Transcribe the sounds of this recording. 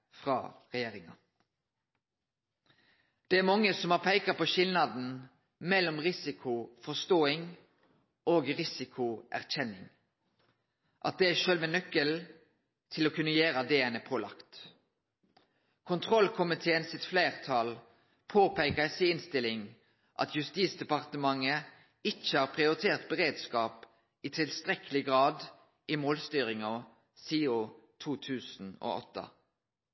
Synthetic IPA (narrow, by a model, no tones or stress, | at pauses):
fʁɑ̰ːʁɛjeːʁɪŋɑ | d̪̥ɛæːʁmɑŋːəsɔmhɑːʁpʰæɪkəpʰoːʃɪlnɑd̪n̩ | mɛlɔmʁɪsɪkʰʊfɔʁst̪oːɪŋ | oːɡʁɪsɪkʰʊʔæ̰ʁçɛnɪŋ | ʔɑt̪̚d̪ɛæʃøːlʋɛnœkːəl | t̪ʰɪloːkʰʉnːəjeːɾɑd̪eːənəpʰoːlɑ̰kt̪ | kʰʊnt̪ʰʁɔlkʰʊmɪt̪ʰeːənsɪt̪fleːʁt̪ʰɑl | pʰoːpʰæɪkəsɪɪnst̪ɪlɪŋ | ʔɑ̰t̪ʰjʉst̪iːt̪sd̪ɛpɑʁt̪əmɑŋə | ɪc͡çəhɑːʁpʰʁɪʊɾɪt̪ʰeːʁt̪̚bəʁeːd̪skɑːp | ɪt̪ʰɪlst̪ʁɛkəlɪɡʁɑːd̪ | ʔɪmoːlst̪yːʁɪŋɑ | siːʊ | t̪ʰuːt̪ʰʉːsn̩o̰ːʔɔ̰t̪ːə̰